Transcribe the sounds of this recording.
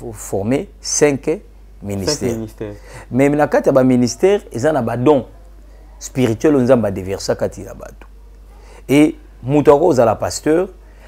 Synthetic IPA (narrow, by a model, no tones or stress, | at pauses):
fɔʁmesɛ̃ŋk | minist̪ɛ̰ | mɛnakatijabaministɛʁezanabadɔ̃ | spiʁitɥɛlonzambbadevɛʁsakatʰija̰ba̰to̥ | e | mutoakoozalapastœʁ